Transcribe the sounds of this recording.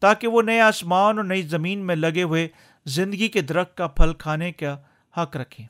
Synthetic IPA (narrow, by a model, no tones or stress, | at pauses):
t̪aːkeʋonɐeaːsmaːnɔːɾnɐizɐmiːnmẽlɐɡeɦʊe | zɪ̃nd̪əɡiked̪ɐɾəxt̪̚kːapʰɐlkʰaːneka | hɐkɾɐkʰẽː